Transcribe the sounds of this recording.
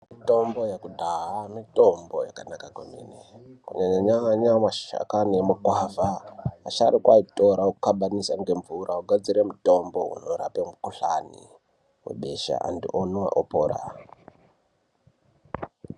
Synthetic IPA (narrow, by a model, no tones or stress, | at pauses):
mito̞mbo̞jakudʱaɦamitombo̞jakanakakwḛmḭnekuɲaɲaɲaɲamaʃa̰kanemakwavaaʃaɾikwaito̞ɾaokukaɓanisaŋɡe̞ɱvurʔauɡʱad͡ziɾemuto̞mbo̞ʔṵnoɾa̰pemukuɬanḭ | wḛɓe̞ʃa̰ʔa̰ndḭʔonwa̰ʔopoːɾa̰